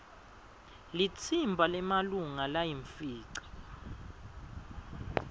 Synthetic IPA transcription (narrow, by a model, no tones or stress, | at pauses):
lit͡sʰimbʱalɛmaluŋalajiɱfiːǀḁ